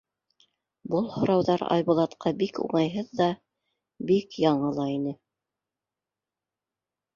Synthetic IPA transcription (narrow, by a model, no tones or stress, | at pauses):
bɤlˠhŏɾɑwðɑɾɑ̰jbŭlˠɑt̪qʰɑbikṵɴɑjɦɤðːɑ | bikjɑɴɤlˠɑinɘ